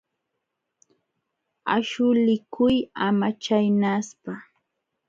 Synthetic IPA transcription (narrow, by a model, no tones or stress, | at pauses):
a̰ʃʊlɪkʰʊjamat͡ʃajnaspa